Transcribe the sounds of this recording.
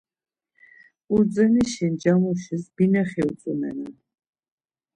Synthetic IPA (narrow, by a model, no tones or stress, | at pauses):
uɾd̪zɛniʃind͡ʒamuʃisbinaχɛut̪t͡s̪ʼunɛ̰nan